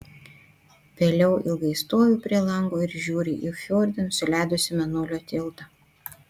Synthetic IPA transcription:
ʋʲeːlʲɛʊʔɪlˠɡɐɪst̪oːjʲuːpʲɾʲiɛlˠɐŋɡoːɪɾʒʲuːɾʲɪʔixʲoːɾʲd̪ʲɪnʊsʲʊlʲæˑɪd̪ʊsʲɪmʲɛnoːlʲoːt̪ʲɪlˠt̪ɐ

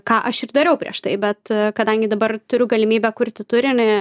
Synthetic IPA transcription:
kɑːʔɐʃɪrd̪ɐɾʲɛʊpʲɾʲiɛʃt̪ɐɪbʲɛt̪kɐd̪ɐŋʲɡʲɪd̪ɐbɐrt̪ʊɾʲʊɡɐlʲɪmʲiːbʲɛkʊrʲt̪ʲɪt̪ʊɾʲɪnɪ

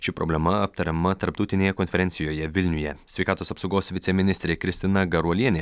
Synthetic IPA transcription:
ʃʲɪpɾɔ̰bʲlʲɛmɐɐp̚t̪ɐɾʲɛmɐt̪ɐɾp̚t̪ɐʊt̪ʲɪnʲeːjɛkɔnʲfʲɛɾʲɛnʲt̪ʲɪjoːjɛʋʲɪlʲnʲʊjɛsʲʋʲɛɪkɑːt̪oːsɐpsɐʊɡoːsʋʲɪt̪sʲɛmʲɪnʲɪst̪ɾʲeːkɾʲɪsʲt̪ʲɪnɐɡɐɾuɔlʲiɛnʲeː

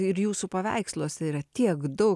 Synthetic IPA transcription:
ɪɾjuːsupɐʋʲɛ̰ɪkslˠoːsʲɛiːɾɐt̪ʲiɛkd̪ɔʊ

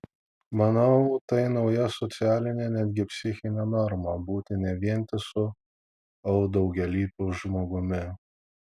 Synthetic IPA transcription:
mɐnɐʊt̪ɐɪnɒʊjɛsɔt̪sʲɪæːlʲɪnʲenʲæd̪ʲɡʲɪpʲsʲɪxʲɪnʲɛnɔɾmɐbuːt̪ʲɪnʲɛʋʲiɛnʲt̪ʲɪsʊ | ɐʊd̪ɒʊɡʲɛlʲiːpʲoʊʒmoːɡʊmʲɪ

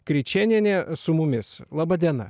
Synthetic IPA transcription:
kɾʲɪt͡ʃʲɛnʲiɛnʲeːsʊmʊmʲɪslˠɑːbɐd̪ʲiɛnɐ̰

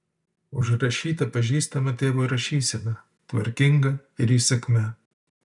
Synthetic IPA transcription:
ʊʃɾɐʃʲiːt̪ɐpɐʒʲiːst̪ɐmɐt̪ʲeːʋoːɾɐʃʲiːsʲɪmʲɛ | t̪ʋɐ̰ɾʲkʲɪŋɡɐɪɾiːsʲɐkʲmʲɛ

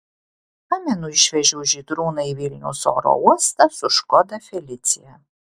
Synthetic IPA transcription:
amʲɛnuiʃvʲɛʒuwʒid̪ɾuːnɐivʲilʲnʲṵsɔ̰ɾɔ̰uɔst̪ɐsʊʃkɔd̪ɐfʲɛlʲit̪sʲḭjɛ

